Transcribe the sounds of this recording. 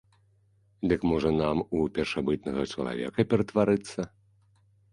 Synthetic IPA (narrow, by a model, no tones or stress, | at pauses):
d̪ɨkmɔʐɐnamupʲɛrʂabɨt̪̚nɐɣɐt͡ʂɐ̰lˠa̰vʲɛ̰kɐpʲɛɾɐt̪vaɾɨt̪sːɐ